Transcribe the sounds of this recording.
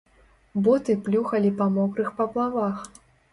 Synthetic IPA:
bɔt̪ɨplʲuxɐlʲipɐmɔkɾɨxpɐplˠavax

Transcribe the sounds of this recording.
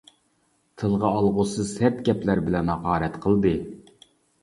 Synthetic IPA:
t̪ʰɨlˠʁɑɑlˠʁʊsɨz̥sɛt̪kʲɛplæɾbɪlɛnhɑʁɑːɾɛt̪qʰəlˠd̪ɨ

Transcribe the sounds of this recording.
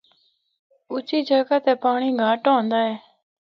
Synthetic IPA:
ʊt͡ʃiːd͡ʒəɡaːt̪eːpaːɳiːɡʱaːʈõːnd̪aːɦeː

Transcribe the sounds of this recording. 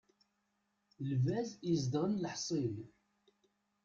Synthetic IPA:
lvæzizd̪ʁənləħsˤiɾ

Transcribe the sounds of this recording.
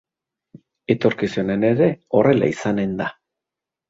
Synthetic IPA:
e̞t̪o̞ɾkisune̞ne̞ɾe̞o̞re̞la̰isane̞nd̪a

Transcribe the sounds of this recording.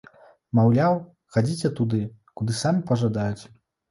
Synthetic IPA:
mawlʲaw | xad͡zʲit͡sʲɛt̪ud̪ɨkud̪ɨsamʲipɐʐad̪ajut͡sʲ

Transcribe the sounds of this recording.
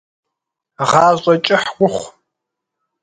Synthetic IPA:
ʁɑːʑɕʼɐt͡ʃʼɪħɡʷʊχʷ

